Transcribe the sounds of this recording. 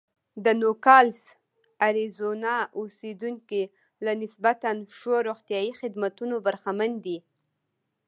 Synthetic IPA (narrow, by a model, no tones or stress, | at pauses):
d̪ənokɑls | aɾizonɑosed̪uŋki | lanɪsbat̪anʃoɾoxt̪jɑixɪd̪mat̪unobaɾxamand̪i